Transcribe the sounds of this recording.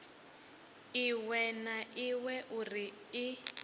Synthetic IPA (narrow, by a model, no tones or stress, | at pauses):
iwɛnaʔiwɛʔuri | i